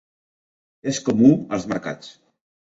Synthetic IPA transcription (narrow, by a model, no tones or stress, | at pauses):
eskomuəlˠzmə̰ɾka̰t͡s